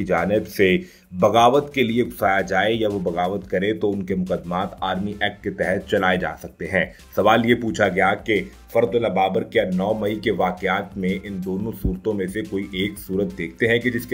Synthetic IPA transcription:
id͡ʒaːnɪbse | bɐɣaːʋət̪kelieɡʊsaːjad͡ʒaːejaʋobɐɣaːʋət̪kɐɾet̪oʊnkemʊqəd̪ːmaːt̪aːɾmiʔɛːk̚ʈket̪ɛɦɛt̪̚t͡ʃɐlaːed͡ʒa̰ːsɐk̚t̪eɦɛ̃ː | sɐʋaːljepuːt͡ʃʰaɡɐjake | fɐɾd̪ʊlabaːbəɾkjanɔːmɐikeʋaːqeaːt̪mẽʔɪnd̪oːnõsuːɾt̪õmẽsekoːiʔeːksuːɾət̪̚d̪eːk̚ʰt̪eɦɛ̃ked͡ʒɪsk

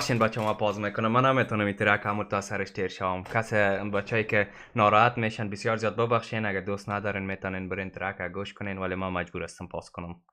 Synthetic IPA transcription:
ʃenbat͡ʃɔmapɔzmekʊnamːanamet̪ɔnəmit̪ɪɾakamuɾt̪ɔasaɾɪʃteɾʃawomkasebat͡ʃɔjkɪ | nɔɾɔat̪meʃanbɪsjɔɾzjɔːd̪̚bɪbaxʃenaɡad̪ost̪nad̪ɔːɾeːnmet̪ɔnenbɪɾent̪ɪɾakaɡoʃkʊnenwalemamad͡ʒbuːɾast̪əmpʰɔ̰skʊnʊm

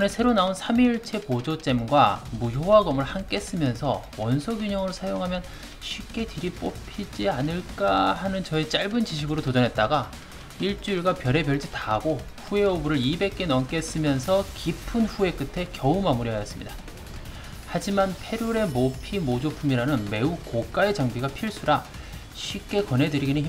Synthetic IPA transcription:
nesʰe̞ɾonaonsʰamiɭt͡ɕʰe̞pod͡ʑot͡ɕ͈e̞mɡwamujowaɡʌmɯɭhank͈e̞s͈ɯmjʌnsʰʌ̰ | wʌnsʰoɡjuɲʌŋɯɾosʰajoŋɦamjʌn | ɕʰɥip̚k͈e̞tiɾip͈opʰid͡ʑianɯɭk͈ahanɯnt͡ɕʌe̞t͡ɕ͈aɭbɯnt͡ɕiɕʰiɡɯɾotod͡ʑʌnɦe̞t̚t͈aɡa | iɭt͡ɕ͈uiɭɡapjʌɾe̞pjʌɭd͡ʑitaɡo | ɸue̞obuɾɯɾibe̞k͈̚e̞nʌmk͈e̞s͈ɯmjʌnsʰʌkipʰɯnɸue̞k͈ɯtʰe̞kjʌumamuɾiɦajʌs͈ɯmɲḭda | had͡ʑimanpʰe̞ɾuɾe̞mopʰimod͡ʑopʰumiɾanɯnme̞ukok͈aed͡ʑaŋbiɡapʰiɭs͈ʰuɾa | ɕʰɥip̚k͈e̞kwʌnɦe̞dɯɾiɡinini

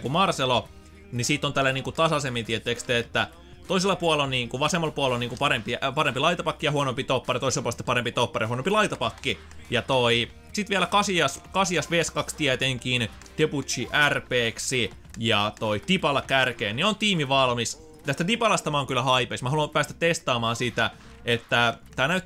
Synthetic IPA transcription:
kumɑrselo | nisiːt̪ːˑont̪ælːæniːŋkut̪ɑsɑsemːint̪iet̪ːˑeːˑkst̪eːt̪ːæ | t̪oiselːˑɑpuɑlːonniːŋkuʋɑsemːɑlpuɑloniːŋkupɑɾempipɑɾempilɑit̪ɑpɑkːijɑhuonompit̪opːɑrijt̪oiselpuolsit̪ːe̥pɑɾempit̪opːɑrjɑhuonompilɑit̪ɑpɑkːi | jɑt̪oi | sit̪ʋiælækɑsiɑskɑsiɑsʋeskɑkst̪iæt̪eŋkin | t̪eput̪t͡ʃiʔærpeːksi | jɑt̪oit̪ipɑlɑkærkeːnneont̪iːmiʋɑlmis | t̪æst̪æt̪ipɑlɑst̪ɑmɑoŋkylːæhɑipeismæhɑluɑmpæːst̪æt̪t̪est̪ɑːmɑːnsit̪æ | et̪ːæt̪æːnæy

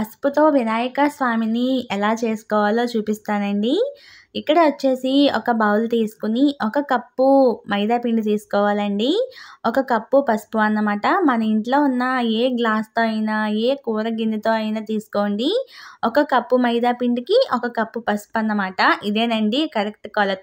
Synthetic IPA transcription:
pɐsput̪o̞ːʋinaːjɐkɐsʋaːminiɛlaːt͡ʃeːsu̥kɔːʋaːloːt͡ʃuːpist̪aːnɐɳɖi | ikːɐɽɐʋɐt͡ʃːe̞ːsiɔ̰kɐbɐːwlt̪iːsu̥kuniʔɔkɐkɐpːumɐjd̪aːpiɳɖut̪iːsu̥kɔːʋaːlɐɳɖiɔkɐkɐpːupɐspuɐnːɐmaːʈɐmɐnɐiɳʈlo̞ːunːɐeːɡlaːst̪o̞ːɐjinaːeːkuːɾɐɡinit̪oːɐjnaːt̪iːsu̥ko̞ːɳɖiɔkɐkɐpːumɐjd̪aːpiɳɖikiʔɔkɐkɐpːupɐspɐnːɐmaːʈɐʔid̪e̞ːnɐɳɖikɐɾek̚ʈkɔːlɐt̪

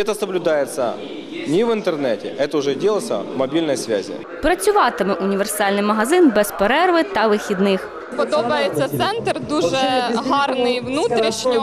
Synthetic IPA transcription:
ɛt̪əsɐblʲʊd̪ajɪt̪sɐ̰ | nʲɪʋɪnt̪ernɛtʲɪ̰ʔɛt̪ɐʊʐɛdʲelˠɐt̪sɐ̰mɐbʲilʲnɐjsʋʲa̰zʲɪ̰ | pɾɐt͡sʲʊʋɑt̪ɪmɛʔʊnʲiʋersɑlʲnɪjmɐɦɐzɪnbɛspeɾɛrʋɪt̪ɐʋɪxʲid̪nɪx | pɔd̪ɔbɐjet͡sʲːɐt̪sɛnt̪rd̪uʒɛɦɑrnɪjʋnut̪ɾʲiʃɲʲʊ

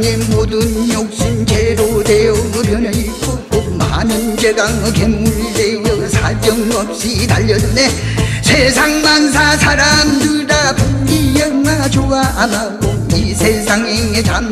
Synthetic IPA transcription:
ɲemodɯnjok̚ɕ͈int͡ɕʰeɾodejʌpjʌneik͈ok͈oma̰nɯnd͡ʑeɡaŋɯkemuɾidejʌsʰad͡ʑʌŋmʌk̚ɕ͈ʰid̪aʎːʌnunesʰesʰaŋmansʰasʰaɾamdɯɭdapuɲijʌŋmad͡ʑoɡaʔamaɡo | isʰesʰaŋeŋet͡ɕam

